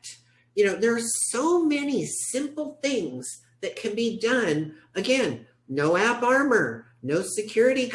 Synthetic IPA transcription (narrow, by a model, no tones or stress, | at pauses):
jɨnoʊðə˞ːsoʊmɛnisɪ̃mpl̩ˠθɪ̃ŋz̥ | ðɨt̚kʰɨ̃nbidʌ̃nɨɡɛ̃nː | oʊæpɑɹmə˞ | noʊsɨkʰj̥ʊɹɨɾik